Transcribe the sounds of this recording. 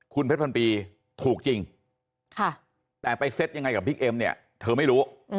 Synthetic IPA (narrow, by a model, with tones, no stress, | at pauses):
kʰu˧npʰe˦˥pʰnpiː˧ | t̪ʰuː˨˩k̚t͡ɕi˧ŋ | kʰa˥˩ | t̪ɛː˨˩pa˧jse˦˥t̪̚ja˧ŋːa˧jka˨˩biː˦˥k̚ʔe˧mni˥˩ɐ | t̪ʰɤː˧ma˥˩jɾuː˦˥